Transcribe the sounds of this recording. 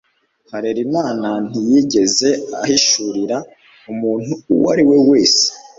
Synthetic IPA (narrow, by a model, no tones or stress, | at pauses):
haɾeɾimaːnan̥ijiɟe̞ze̞a̰hiʃuɾiɾa | umuːn̥uːwa̰ɾiwe̞we̞ːse̥